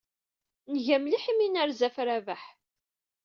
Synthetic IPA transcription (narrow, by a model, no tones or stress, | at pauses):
nəʝæmliħiminəɾzæfɾævaħ